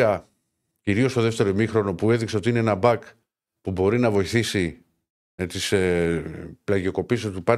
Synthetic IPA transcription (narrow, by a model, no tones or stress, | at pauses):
ɐ | ciɾio̞st̪o̞ðeft̪e̞ɾomixɾo̞no̞pue̞ðikseo̞t̪iine̞enɐbɐk | pubo̞ɾinɐvo̞iθisi | t̪is | plɐʝio̞ko̞pisot̪ipɐ